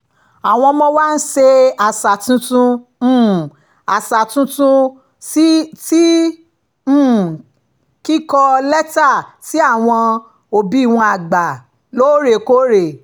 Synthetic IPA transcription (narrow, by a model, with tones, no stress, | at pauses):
a˨w̃ɔ̃˧mɔ̃˧wa˦˧n̩˦ʃe˧a˨sa˨tũ˧˦tũ˧˦˨ | a˨sa˨tũ˧˦tũ˦ | t | ki˦kɔ˧lɛ˦ta˦˨ti˨˦a˦˨w̃ɔ̃˧ | o˨bi˨˦i˦˨w̃ɔ̃˧a˨ɡ͡ba˨ | lo˦ɾe˨ko˦ɾe˨